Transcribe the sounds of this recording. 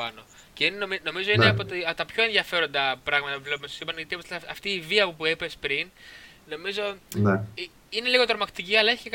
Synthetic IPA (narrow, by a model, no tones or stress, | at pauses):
ɐ̰no̞ | ceinnomino̞mizo̞ineɐpot̪iɐt̪ɐpço̞e̞nðjɐfe̞ɾo̞nd̪ɐpɾɐɣmɐt̪ɐpuzleumest̪o̥sipɐnʝɐt̪ioseɐft̪iːviɐpopuepespɾin | no̞mizo̞ne | ine̞liɣo̞t̪ɾomɐkt̪iciɐlɐeçi̥cek